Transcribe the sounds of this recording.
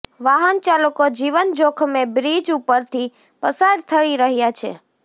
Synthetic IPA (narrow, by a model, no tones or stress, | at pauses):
ʋaɦənt͡ʃalokod͡ʒiʋənd͡ʒokʰmebɾid͡ʒupəɾt̪ʰi | pəsaɾt̪ʰəɭiɾəɦjat͡ʃʰḛ